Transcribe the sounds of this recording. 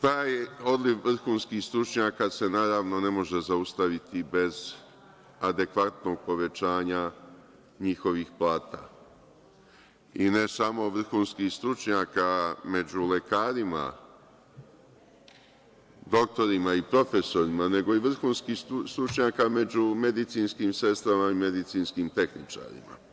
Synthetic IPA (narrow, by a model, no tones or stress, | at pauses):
t̪aːjo̞d̪lifʋr̩xuːnskixst̪ɾut͡ʃɲaːkase̞naːɾaʋno̞ne̞mo̞ʒe̞zaust̪aʋit̪ibe̞z | ad̪e̞kʋat̪no̞ɡ̚po̞ʋe̞t͡ʃaːɲa | ɲixo̞ʋixplˠaːt̪a | ine̞samo̞ʋr̩xuːnskixst̪ɾut͡ʃɲaːkame̞d͡ʑule̞kaːɾima̰ | d̪o̞k̚t̪o̞ɾimaipɾo̞fe̞so̞ɾimane̞ɡo̞iʋr̩xuːnskist̪ɾut͡ʃɲaːkame̞d͡ʑume̞d̪it̪siːnskimse̞st̪ɾamaime̞d̪it̪sinskiːmt̪e̞xnit͡ʃa̰ɾḭma̰